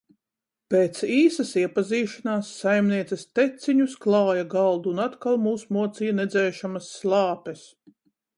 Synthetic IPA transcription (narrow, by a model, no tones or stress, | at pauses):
peːt̪siːsɐsiɛpaziːʃanaːsːajmniɛt̪sɛst̪et̪siɲusklˠɑːjaɡɑlˠd̪uːnat̪kalˠmuːsmuɔt̪sijanɛd̪zɛːʃamɐsːlˠɑːpɛs